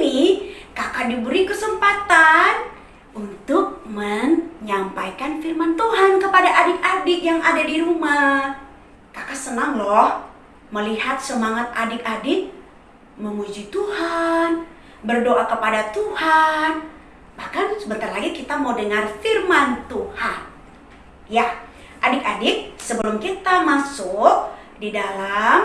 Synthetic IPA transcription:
nikakadibəɾikəsəmpat̪an | unt̪ʊk̚məɲɲampajkanfirmant̪uɦankəpadaʔadɪkadɪkjaŋadadiɾuma | kakasənaŋlɔh | məlihat̪̚səmaŋat̪̚a̰dɪk̚adɪk̚ | məŋud͡ʒit̪uhan | bərdoʔakəpadat̪uhan | bahkansəbənt̪arlaɡikit̪amawdəŋarfirmant̪uhan | ja | ʔadɪk̚adɪk̚səbəlʊmkit̪amasʊk̚ | didalam

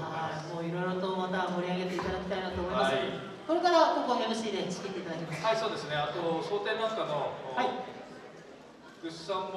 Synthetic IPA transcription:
aimo̞ːiɾo̞jɾo̞t̪o̞mat̪amo̞ɾʲiaɡe̞t̪e̞it̪ad̪akʲi̥t̪ainat̪oːmo̞imasɨ | ko̞ɾe̞kaɾakõŋkomemɯɕid̪e̞t͡ɕi̥kiket̪ːe̞it̪ad̪akʲimasɨ̥aiso̞ːd̪esɨneat̪oɕoːt̪e̞ːnãŋkanohai | ɡ̥ɯɕsãm

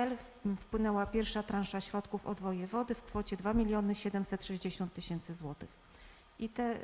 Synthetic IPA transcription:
ɛl | fpwɘnɛwapʲjɛɾfʂat̪ɾãnʂaɕɾɔt̪kufɔ̰d̪vɔjɛvɔd̪ɘfkfɔt͡ɕɛd̪vamʲilʲjɔnɘɕɛd̪ɛmsɛt̪ʂɛʑd͡ʑeɕɔnt̪ːɘɕɛnt̪sɘzwɔt̪ɘx | ʔit̪ɛ

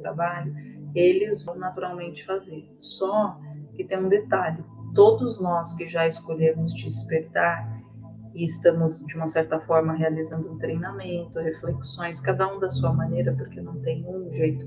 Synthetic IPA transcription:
t̪ɾabaʎʊelɪzvõwnat̪uɾawmẽnt͡ʃɪ̥fazeɾ | sɔkɪt̪ẽj̃ũd̪et̪aʎʊt̪od̪ʊznɔskɪʒaɪskoʎemʊzd͡ʒɪspeɾt̪aɾ | ɪɪst̪ɐ̃mʊzd͡ʒɪũmɐsɛɾt̪ɐfɔɾmɐɦealizɐ̃nd̪ʊũt̪ɾejnamẽnt̪ʊhefleksõj̃skad̪ɐũd̪ɐsuɐmɐ̃nejɾɐpoɾkenɐ̃w̃t̪ẽj̃nẽũʒejt̪ʊ̥

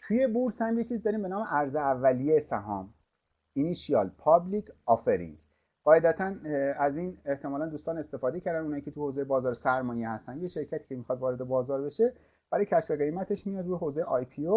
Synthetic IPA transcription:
t̪ʰuje̞buɾsænd̪jet͡ʃʰiːzd̪ɒːɾiːmbe̞nɒːmeʔæɾzeævːælijesæɦɒ̰ːm | iniʃiɒlpʰɒblicʰɒːfeɾḭŋɟ | ɢ̥ɒːed̪æt̪ʰænæziːneht̪ʰemɒːlænd̪uːst̪ɒːne̞st̪e̞fɒːd̪e̞cʰæɾd̪ænunhɒːiːcʰe̞t̪ʰuhoːzejebɒːzɒːɾesæɾmɒːjehæst̪ænd̪jeʃe̞ɾcʰæt̪ʰiːcʰemixɒːd̪vɒːɾe̞d̪ebɒːzɒːɾbe̞ʃe | b̥æɾɒjcʰæʃfeɣe̞jmæt̪ʰe̞ʃmijɒd̪ɾuːjeɦoːzejeɒjpʰio

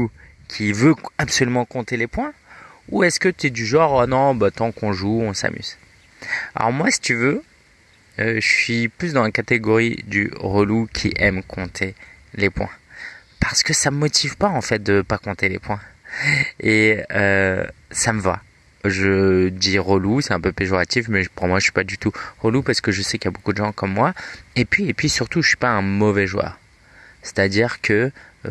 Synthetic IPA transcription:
u | kʲʰivøapsɔlymɑ̃kɔ̃t̪elepwɛ̃uɛskət̪yɛd̪yʒɑ̃ʁanɔ̃bat̪ɑ̃kɔ̃ʒuɔ̃sa̰mʔy̰z | a̰lɔ̰ʁmwasi̥t̪yvø | øəsɥiplys̬d̪ɑ̃lakat̪eɡɔʁḭd̪y̰ʁəlukʲʰiʔɛmkʰɔ̃t̪ʰe | lepwɛ̰̃paʁ̥sə̥kəsammɔt̪ʰivpaɑ̃fɛt̪̚d̪əpakɔ̃t̪elḛpwɛ̃ | eøsaməva̰ | ʒəd̪iʁolusɛt̪ɛ̃pøpeʒɔʁat̪ifmɛʒpuʁmwaʒəsɥi̥pad̪yt̪uʁolupaʁsə̥kəʒəsɛkljabokud̪əʒɑ̃kɔmːwaepɥiepɥisyʁt̪uʒəsɥi̥paɛ̃mɔvɛʒwœ̰ːʁ | se̥t̪ad̪iʁkʰə

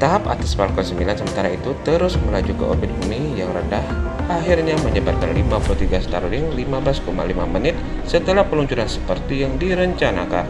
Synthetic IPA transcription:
t̪aɦapa̰t̪aspalkɔsəmbilansəmənt̪aɾait̪ut̪əɾʊsməlad͡ʒukə̰ʔo̰bɪt̪̚bumijaŋɾəndahʔaɦirɲaməɲəbat̪̚kanlimapulut̪iɡasə̥t̪aɾulɪŋlimabəlaskoma̰lima̰mənɪt̪̚sət̪əlahpəluɲt͡ʃuɾansə̥pərt̪ijaŋdiɾəɲt͡ʃana̰ka̰n

